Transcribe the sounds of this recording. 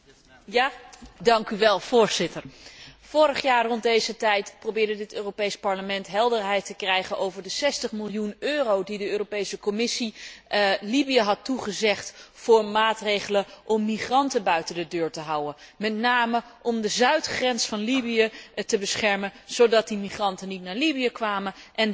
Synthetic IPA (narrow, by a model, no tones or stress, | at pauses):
dɑŋkyʋɛlˠv̥ʊːɹzɪtəɹfʊːrəχjaːɹrɔnd̚dejzətɛjtprowbɪːɹdədɪtøːropejspɑɹləmɛntɦɛlˠdəɹɦɛjtəkrɛjχənowvəɹdəsɛstəχmɪlˠjunøːrowdidəøːropejsəkɔmɪsi | libijəɦɑtːuχəzɛχtfʊːɹmaːtrejχələʔɔmːiχrɑntənbœɥtəndədøːɹtəɦʌwənmɛtnaːməʔɔmdəzœɥtχrɛnsfɑnlibijətəbəsχɛɹmənz̥owdɑt̚dimiχrɑntənitnaːɹlibijəkʋaːmənʔɛn